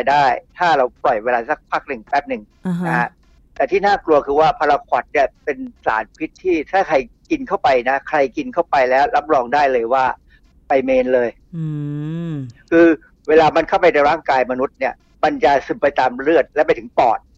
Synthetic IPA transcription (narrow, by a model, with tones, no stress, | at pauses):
a˧jdaː˥˩jt̪ʰaː˥˩ɾa˧wplɔ˨˩jweː˧laː˧sa˦˥k̚pʰaː˦˥˩k̚nɯ˨˩ŋsʰaː˦˥˩k̚nɯ˨˩ŋ˦˧ | a˦˥ | t̪ɛː˨˩t̪ʰiː˥˩naː˥˩klu˧ɐkʰɯː˧waː˥˩pʰa˧ɾa˧kʰwɔ˨˩t̪̚ni˦˥˩ɐpe˧nsa̰ː˩˦npʰi˦˥t̪ʰːiː˥˩t̪ʰaː˥˩kʰa˧jki˧nkʰa˥˩wpa˧jna˦˥kʰɾa˧jki˧nkʰa˥˩wpa˧jlɛː˦˥wɾa˦˥p̚ɾɔː˧ŋdaː˥˩jlɤː˧jwaː˥˩ | pa˧jmeː˧nlɤː˧j | kʰɯː˧ | weː˧laː˧ma˧nkʰa˥˩wpa˧jna˧ɾaː˥˩ŋkaː˧jma˧nu˦˥t̪̚ni˥˩ɐ | ma˧nt͡ɕa˨˩sɯ˨˩pa˧jt̪aː˧mɾɯ˥˩ət̪̚lɛː˦˥pa˧jt̪ʰɯ˩˦ŋpɔː˨˩t̪̚